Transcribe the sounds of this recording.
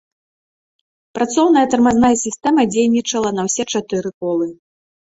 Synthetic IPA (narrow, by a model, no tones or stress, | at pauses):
pɾat̪sɔwn̪ɐjɐt̪ɐrmaznajɐsʲist̪ɛmɐd͡zʲejnʲit͡ʂɐlˠɐnɐwsʲɛt͡ʂat̪ɨɾɨkɔlˠɨ